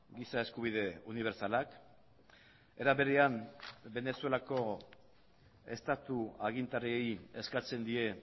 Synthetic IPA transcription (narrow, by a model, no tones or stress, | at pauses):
ɡisae̞skuβ̞ið̞e̞uniβ̞e̞ɾsalak | e̞ɾaβe̞ɾeambe̞ne̞sue̞lako̞ | e̞st̪at̪uaɣint̪ariejeskat͡se̞nd̪ie̞